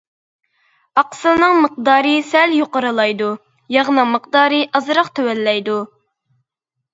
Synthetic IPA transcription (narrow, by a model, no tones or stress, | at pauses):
ɑqsɨnɨŋməq̚d̪ɑːɾɨsɛljoqəɾɨlˠɑjd̪u | jɑʁnɨŋməqd̪ɑːɾɨʔɑzɾɑqt̪ʰøwɛlːɛjd̪u